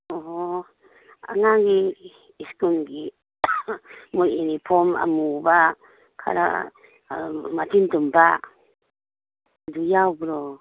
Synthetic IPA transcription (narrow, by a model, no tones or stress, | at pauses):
ɔɦɔ | a̰ŋaŋɡiː | skunɡi | mujinipʰɔma̰muba | kʰa̰ɾa̰ | mat̪intumba | dujawbɾɔ